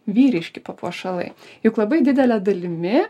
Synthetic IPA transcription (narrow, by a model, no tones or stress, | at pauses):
ʋʲiːɾʲɪʃʲkʲɪpɐpṵɔʃɐlˠɐ̰ɪjʊklˠɐbɐɪd̪ʲɪd̪ʲɛlʲɛd̪ɐlʲɪmʲɪ